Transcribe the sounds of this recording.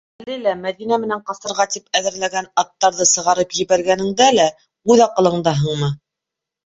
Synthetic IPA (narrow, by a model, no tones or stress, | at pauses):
ælɘlæmæðinæmɘ̆næɴqɑst̪ɤ̆ɾʁɑt̪ipæðɘ̆ɾlæɡænɑt̪ːɑɾðɤsɤ̆ʁɑɾɤpjɘ̆βæɾɡænɘ̆ŋd̪ælæ | ʉðɑqɤ̆lˠɤ̆ɴd̪ɑɦɤ̆ɴmɤ